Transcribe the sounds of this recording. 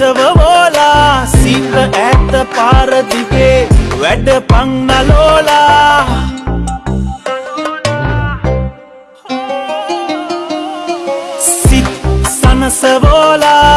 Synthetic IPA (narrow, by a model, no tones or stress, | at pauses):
əʋəʋoːlaːsit̪əʔæːt̪əpaːɾət̪ikeʋæɖəpaŋnaloːlaː | sit̪sanəsəʋoːlaː